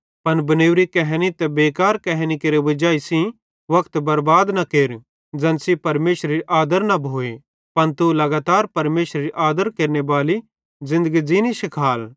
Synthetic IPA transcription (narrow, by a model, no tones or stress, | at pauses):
pɐnbɐneːʋɾikɛɦnit̪ɛbeːkaːɾkɛɦnikeːɾeʋɐd͡ʒaːisĩ | ʋɐkʰt̪bɐɾbaːd̪nɐkeːɾ | d͡ʒɐnsipɐɾmeːʃɾɾiʔaːd̪əɾnɐbʱoːe | pɐnt̪ulɐɡaːt̪aːɾpɐɾmeːʃɾɾiʔaːd̪əɾkeːɾnebaːli | zɪ̃nd̪əɡid͡ʒiːniʃɪkʰaːl